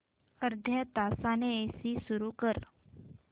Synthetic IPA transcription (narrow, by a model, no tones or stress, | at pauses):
əɾd̪ʱjat̪asaneesiːsuɾuːkəɾ